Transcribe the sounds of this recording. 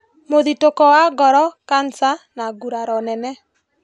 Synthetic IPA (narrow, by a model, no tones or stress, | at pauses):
moðitokɔwaɡɔɾɔkansanaɡuɾaɾɔnɛnɛ